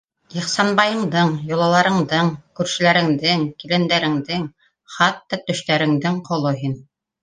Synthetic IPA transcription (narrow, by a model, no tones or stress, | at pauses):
jɤ̆χsɑnbɑjɤ̆ɴd̪ɤɴjŏlˠɑlˠɑɾɤ̆ɴd̪ɤɴkʉɾʃɘ̆læɾɘ̆ŋd̪ɘŋkilænd̪æɾɘ̆ŋd̪ɘŋ | χɑt̪ːɑt̪ɵ̆ʃt̪æɾɘ̆ŋd̪ɘŋqʰŏlˠoɦin